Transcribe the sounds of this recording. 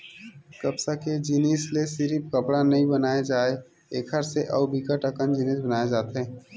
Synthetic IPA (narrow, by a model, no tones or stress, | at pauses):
kɐbsaked͡ʒineːslesɪɾip̚kəpɽanɐɦĩbɐnaːed͡ʒaːe | eːkʰəɾseʔɐubʱikaʈəkənd͡ʒineːsbɐnaːed͡ʒaːt̪ɦɛ̃ː